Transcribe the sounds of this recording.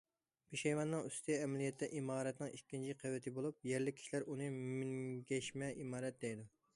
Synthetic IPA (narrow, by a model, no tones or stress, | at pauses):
beʃɛjwɑnːɨŋyst̪ʰɪɛmɛlijɛt̪ːɛʔimɑːɾɛt̪nɨŋikʲːint͡ʃʰiqʰəwːɪt̪ʰɪbolˠup̚jɛɾlɪkʲʰi̥ʃilæɾunɨmmiŋɡʲɛʃmɛʔimɑːɾɛt̪̚d̪ɛjd̪u